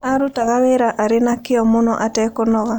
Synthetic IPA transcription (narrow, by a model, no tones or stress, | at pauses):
aɾutaɣaweɾaʔaɾenakɪɔmonɔʔatɛkonɔɣa